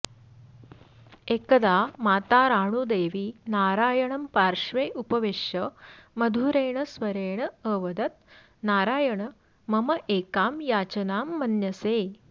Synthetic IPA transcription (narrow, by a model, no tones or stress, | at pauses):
eːkɐd̪aːmaːt̪aːɾaːɳud̪eːʋinaːɾaːjɐɳɐmpaːɾʂʋeːʔupɐʋeːʃjɐmɐd̪ʱuɾeːɳɐsʋɐɾeːɳɐəːʋɐd̪ɐt̪̚ | naːɾaːjɐɳɐ | mɐmɐʔeːkaːmjaːt͡ʃɐnaːmːɐnjɐseː